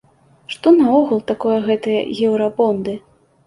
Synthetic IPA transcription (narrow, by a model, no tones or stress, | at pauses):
ʂt̪ɔnɐɔɣulˠt̪akɔjɐɣɛt̪ɨjɐ̰ɣʲɛwɾapɔnd̪ɨ